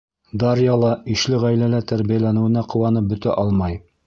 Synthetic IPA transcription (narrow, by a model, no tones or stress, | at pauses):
d̪ɑɾjɑlˠɑĭʃlɘʁæjlælæt̪æɾβijælænɘ̆wɘ̆næqŏwɑnɤp̚bɵ̆t̪æ̰ʔɑlˠmɑj